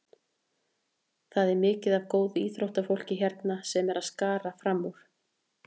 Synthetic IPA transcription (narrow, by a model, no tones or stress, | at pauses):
θaðɛɾmɪːcɪðavkoːwðʏiːθɾowht̪afowl̥cɪçɛɾt̪nasɛmɛɾaðskaːɾafɾamːuɾ̥